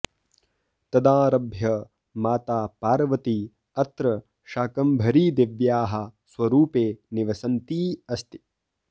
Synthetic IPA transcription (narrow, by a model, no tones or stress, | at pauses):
t̪ɐd̪aːɾɐbʱjɐ | maːt̪aːpaːɾɐʋɐt̪i | ɐt̪ɾɐ | ʃaːkɐmbʱɐɾiːd̪eʋjaːɦɐ̆sʋɐɾuːpeːniʋɐsɐnt̪iːɐst̪i̥